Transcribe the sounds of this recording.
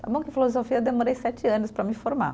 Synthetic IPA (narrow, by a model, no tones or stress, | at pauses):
t̪abõw̃kɪfilozofiɐd̪emoɾejsɛt͡ʃɪɐ̃nʊspɾɐmɪfoɾma̰